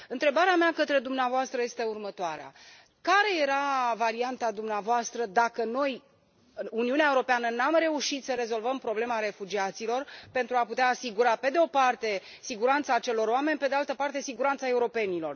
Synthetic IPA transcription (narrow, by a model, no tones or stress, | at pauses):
ɨnt̪ɾe̞baɾeameakət̪ɾe̞d̪umneavoast̪ɾəje̞st̪e̞urmət̪oaɾea̰ | kaɾe̞je̞ɾavaɾiant̪ad̪umneavoast̪ɾəd̪akəno̞j | uniuneaeuɾo̞peanənamre̞uʃit̪səɾe̞zo̞lvəmpɾo̞ble̞maɾe̞fud͡ʒiat̪silo̞rpe̞nt̪ɾuaput̪eaːsiɡuɾape̞d̪eo̞part̪e̞ | siɡuɾant̪saːt͡ʃe̞lo̞ɾoame̞nʲpe̞d̪ealt̪əpart̪e̞siɡuɾant̪sae̞uɾo̞pe̞nilo̞̰r